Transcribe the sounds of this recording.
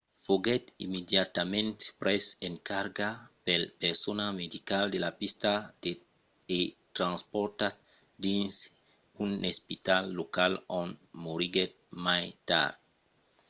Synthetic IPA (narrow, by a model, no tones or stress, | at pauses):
foɡet̪ḭmed̪jat̪amẽnt̪pɾeseŋkaɾɡapelpeɾsonamed̪ikald̪elapist̪ad̪e | et̪ɾãnspɔɾt̪at̪ | d̪ĩns | ũnespit̪alːokalõnmoɾiɡet̪̚majt̪a̰ɾ